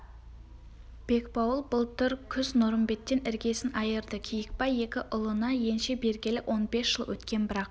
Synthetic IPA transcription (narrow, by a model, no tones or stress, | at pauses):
b̥e̞kpɑwəlˠbʊlˠt̪ɪɾkʲʰʏznʊɾəmbe̞t̪ːe̞nɪɾɡʲe̞sɪnɑjəɾd̪əkʲʰijɪk̚pɑje̞kʲɪʔʊlˠənɑje̞nʃe̞be̞ɾɡʲelɪwʔo̞nbe̞sʒ̥əlˠwɵ̰t̪kʲe̞nbɪɾɑq